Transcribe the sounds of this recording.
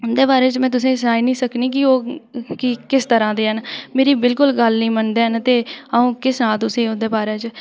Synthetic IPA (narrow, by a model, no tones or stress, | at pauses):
ʊnd̪eːbaːɾeːt͡ʃmɛ̃ːt̪̬ʊs̬ẽːsaːiːnĩːsəkniːk̬ɪoːkɪkɪst̪əɾãːd̪eːɦənmeːɾiːbɪlkʊlɡəlnəĩːmənd̪eːɦənt̪eːaũːkɪsnaːlt̪ʊsẽːʊnd̪eːbaːɾeːt͡ʃ